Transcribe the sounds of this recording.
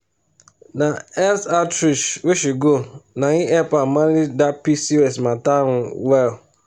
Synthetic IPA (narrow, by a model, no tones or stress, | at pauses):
naɛsatɾiʃweʃuɡonaŋĩʔɛpamaɾidapisiɛsmataɾuwɛl